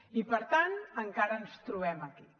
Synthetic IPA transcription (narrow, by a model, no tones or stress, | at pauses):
ipəɾt̪anəŋkaɾəːnst̪ɾuβɛməki